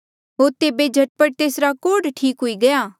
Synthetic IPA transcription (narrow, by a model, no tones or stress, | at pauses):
ɦoːɾt̪eːbed͡ʒʱɐʈ̚pəʈ̚t̪eːsɾakoːɖʈʰiːkɦʊiɡɐjaː